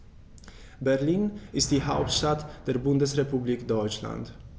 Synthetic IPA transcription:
bæɾliːnɪst̪ihaʊpst̪at̪d̪̥ɛɾbʊnd̪əsɾɛpʉbliːkd̪ɔʏt͡ʃla̰nd̪

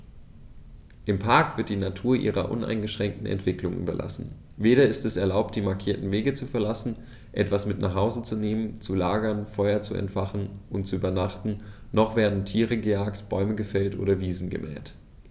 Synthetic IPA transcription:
ʔɪmpʰaɐkv̥ɪɐt̚d̥iːnatʰuːɐʔḭːʁɐ̰ʔʊ̰nʔa̰ɪnɡəʃʁ̥ɛŋk̚tn̩ɛ̰ntv̥ɪklʊŋʔy̰ːbɐlʔa̰sn̩ | veːɾɐɪstɛsɛɐlaʊp̚td̥iːmaɐkʰiːɐtn̩veːɡət͡sufɛɐlasn̩ | ʔɛtv̥asmɪtna̰ːχhaʊzət͡suneːmənt͡sulaːɡɐnfɔʏɐt͡suɛ̰ntfaχn̩ʔʊntt͡suyːbɐnaχtn̩ | nɔχv̥eːɐdn̩tʰiːʁ̞əɡəjaːktb̥ɔʏməɡəfɛltʔo̰ːɾɐviːzn̩ɡə̰mʔɛ̰ːt

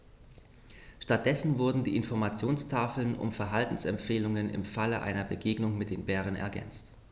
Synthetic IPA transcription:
ʃtat̚d̥ɛsn̩vʊɐdn̩diːʔɪnfɔɐmat͡sjoːnstʰaːfl̩nʊ̰mfɛɐɦaltn̩sɛmfeːlʊŋənɪ̰mfaləʔa̰ɪnɐbəɡeːɡnʊŋmɪt̚d̥eːnbɛːʁ̞ənɛ̰ɐɡɛ̰nt͡st

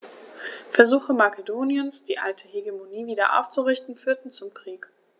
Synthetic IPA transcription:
fɛɐzuːxəmakedoːnjənsd̥iːʔa̰ltʰəheɡemoniːviːdɐ̰ʔa̰ʊft͡suʁɪçtn̩fyːɐtn̩t͡sʊmkʁ̥iːk

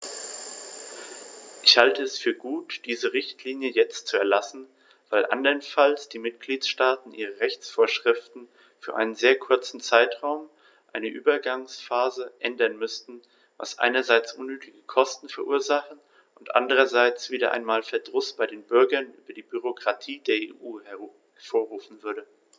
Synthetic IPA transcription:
ʔɪçhaltəɛsfyːɐɡuːtd̥iːzəʁɪçtʰliːnjəjɛt͡stt͡suɛɐlasn̩ | v̥aɪlʔa̰ndɐnfalsd̥iːmɪtɡ̥liːtʃtaːtn̩ʔiːʁəʁɛçt͡sfoːɐʃʁ̥ɪftn̩ | fyːɐʔa̰ɪnənzeːɐkʰʊɐt͡sn̩t͡saɪtʁ̥aʊm | ʔaɪnəʔyːbɐɡaŋsfaːzəʔɛndɐnmʏstn̩ | va̰sʔa̰ɪnɐzaɪt͡sʔʊnːyːtʰɪɡəkʰɔstn̩fɛɐʔuːɐzaχn̩ | ʔʊntʔa̰ndəʁɐzaɪt͡sv̥iːdɐʔa̰ɪnmaːlfɛɐdʁʊsb̥aɪɾeːnbʏɐɡɐnʔy̰ːbɐdiːbyʁ̞okʁ̥atʰiːdeːɐḛːʔuː | foːɐʁuːfn̩vʏɐdə

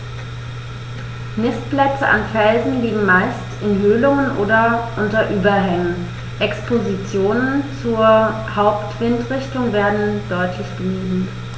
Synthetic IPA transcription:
nɪstb̥lɛt͡səʔanfɛlzn̩liːɡŋ̩maɪstɪnɦøːlʊŋənʔoːdɐʔʊntɐʔyːbɐɦɛŋən | ʔɛkspozit͡sjoːnənt͡suːɐ | haʊptv̥ɪntʁɪçtʊŋveːɐdn̩d̥ɔʏtʰlɪçb̥əniːbm̩

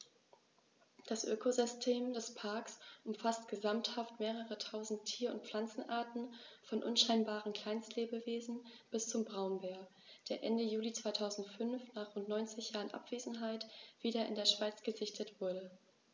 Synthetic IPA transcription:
d̥asʔøːkʰozʏstʰeːmdɛspʰaɐksʔʊmfastɡ̥əzamthaftmeːʁəʁətʰaʊzn̩tʰːiːɐʊ̰nt̚p͡fl̥ant͡sn̩ʔaɐtn̩fɔnʔʊnʃaɪnbaːʁən̩kʰl̥aɪnstleːbəveːzn̩b̥ɪst͡sʊmbʁaʊnbeːɐ | d̥eːɐʔɛndəjuːlit͡sv̥aɪtʰaʊzn̩tfʏnfnaːχʁʊntnɔʏnt͡sɪçj̥aːʁənʔa̰pv̥eːzn̩ɦaɪtv̥iːdɐɪ̰ndeːɐʃv̥aɪt͡sɡ̥əzɪçtʰətv̥ʊɐɾə

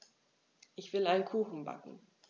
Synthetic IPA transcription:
ʔɪçv̥ɪlaɪnkʰuːxn̩ba̰kŋ̩

